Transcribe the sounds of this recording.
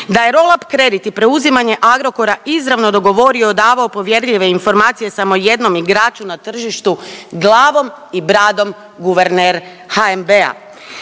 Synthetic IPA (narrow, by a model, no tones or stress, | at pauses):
d̪aje̞ɾo̞lˠapkɾe̞d̪it̪ipɾe̞uzimaɲe̞ʔaɡɾo̞ko̞ɾaʔizɾaʋno̞d̪o̞ɡo̞ʋo̞ɾio̞d̪aːʋao̞po̞ʋje̞ɾʎiʋe̞info̞ɾmaːt̪sije̞samo̞je̞d̪no̞miɡɾaːt͡ʃunat̪r̩ʒiʃt̪uɡlˠaːʋo̞mibɾaːd̪o̞m | ɡuʋe̞ɾneɾ | haembea̰